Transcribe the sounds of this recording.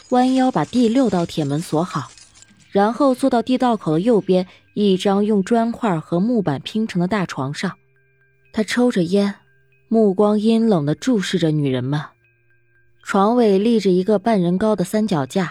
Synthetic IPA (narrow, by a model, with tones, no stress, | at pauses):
wa˥njɑ˥ʊpa˨˩t̪i˥˧ljo˥˧ʊt̪ɑ˥˩ʊt̪ʰjɛ˨˩nmə˧˥nswɔ˧˥xɑ˨˩˦ʊ | ɻa˧˥nxo˥˧ʊt͡swɔ˥˧t̪ɑ˥˧ʊt̪i˥˧t̪ɑ˥˩ʊkʰo˨˩ʊd̪ə˦jo˥˩ʊpjɛ˥n | i˥˩ʈ͡ʂɑ˥ŋjʊ˥˩ŋʈ͡ʂwa˥nkʰwa˥˩xɤ˧˥mu˥˩pa˨˩npʰi˧˥ŋʈ͡ʂʰɤ˧˥ŋd̪ə˧t̪a˥˩ʈ͡ʂʰwɑ˧˥ŋʂɑ˥˩ŋ | t̪ʰa˥ʈ͡ʂʰo˥ʊʈ͡ʂə˨jɛ˥n | mu˥˩kwɑ˥ŋi˥nlɤ˨˩ŋd̪ə˦ʈ͡ʂu˥˧ʂɻ̩˥˩ʈ͡ʂə˩ny˨˩ɻə˧˥nmə˧n | ʈ͡ʂʰwɑ˧˥ŋwe˨˩ɪli˥˩ʈ͡ʂɻ̩˨˩i˧˥ɡə˧pa˥˩nɻə˧˥nkɑ˥ʊd̪ə˨sa˥nt͡ɕjɑ˨˩ʊt͡ɕja˥˩